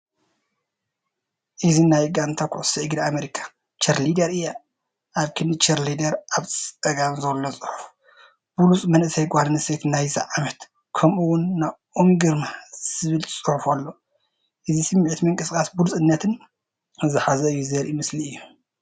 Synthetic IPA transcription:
ʔɨzinajɡant̪ʰakʰʊ̰ʕʊsiʕɨɡd̪iameɾikʰḁ | t͡ʃɐɾlid̪ɐɾɨjːa | ʔaβkʰɨnnɨt͡ʃɐɾlid̪ɐɾʔaβt͡sɐɡamzɐlːot͡sʼɨ̥ħu̥f | b̥ulut͡sʼmɐnʔɨsɐjɡʷalnɨset̪najzḭʕamɐt̪ | kʰɐmuwʊnːaβʔomiɡɨɾmaz̥ɨβɨlt͡sʼuħufalːo̞ | ʔɨzisɨmːiʕt̪mɨŋkʼɨskʼasbulut͡sʼɨnːɐt̪ʰɨn | zɨħazɐɨjːuzɐɾʔimɨsliɨjːu

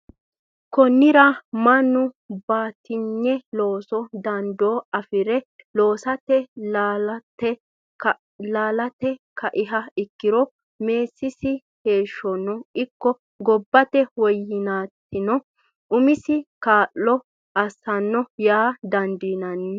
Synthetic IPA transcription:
kɔnːɪɾɐmɐnʊ | baːt̪ːɪɲːɛlo̞ːsɔd̪ɐnd̪oːɐfɪɾɛlo̞ːsɐt̪ɛ | tɛ | laːlɐt̪ɛkɐʔɪɦɐɪkːɪɾɔ | me̞ːsːɪsɪ | he̞ːʃːɔnːɔɪkːɔ | ɡɔbːɐt̪ɛwɔjːɪnaːt̪ːɪnɔ | ʔʊmɪsɪkaːʔːɔ | ɐsɐnːɔjaːd̪ɐnd̪inɐn

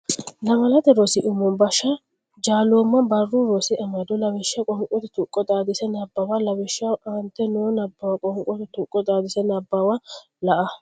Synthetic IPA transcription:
lɐmɐlɐt̪ɛɾosɪʔʊmɔnbɐʃɐ | d͡ʒaːloːmːɐbɐrːuɾɔsɪʔɐmɐd̪ɔlɐwɛʃːɐkʼɔŋkʼɔt̪ɛt̪ʊkʼːɔt̪ʼaːd̪ɪsɛnɐbːɐwɐlɐwɛʃːɐwɐnt̪ːɛnoːnɐbːɐwɐkʼɔŋkʼɔt̪ɛt̪ʊkʼːɔt̪ʼaːd̪ɪsɛnɐbːɐwɐ | lɐʔɐ

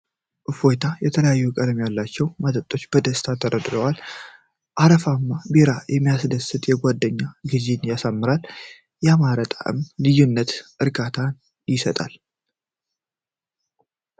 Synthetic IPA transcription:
ʔɨfo̞jt̪ʰajɛt̪ʰələjajːukʼəd̪mejalːat͡ʃːɛwmat̪ʼət̪ʼo̞t͡ʃːbəd̪əst̪ʰat̪ʰəɾəd̪ɾəwal | ʔaɾəfamːabeɾajɛmːijasd̪əsɨt̪ʼjɛɡʷad̪ːəɲːaɡɨzenjasamːɨɾal | jɛamaɾət̪ʼa̰ʔɨ̰mlɨjunːət̪ʔɨɾɡat̪ʰan | jɪsət̪ʼa̰l

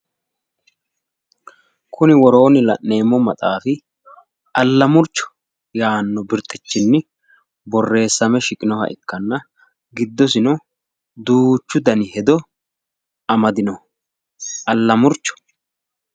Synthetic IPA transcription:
kʰʊnɪwɔɾo̞ːnɪlɐ̰ʔːe̞ːmːɔmɐt̪ʼaːfɪ | ʔɐlːɐmʊɾt͡ʃːɔ̥ | jaːnːɔbɪɾt̪ʼɪt͡ʃːɪnːɪ | bɔrːe̞ːsːɐmɛʃɪkʼɪnɔhɐ̰ʔɪ̰kːɐnːɐ | ɡɪd̪ːɔs̬ɪnɔ | d̪uːt͡ʃːʊd̪ɐnɪhɛd̪ɔ | ɐmɐd̪ɪnɔ | ʔɐlːɐmʊɾt͡ʃːɔ̥

